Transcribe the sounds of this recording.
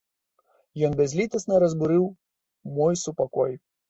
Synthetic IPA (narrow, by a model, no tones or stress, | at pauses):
jɔnbʲɛzʲlʲit̪ɐsnɐɾɐzbuɾɨw | mɔjsupakɔj